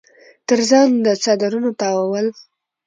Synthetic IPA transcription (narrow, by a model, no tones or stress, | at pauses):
t̪əɾzɑnd̪ət͡sɑd̪aɾunot̪ɑwawəl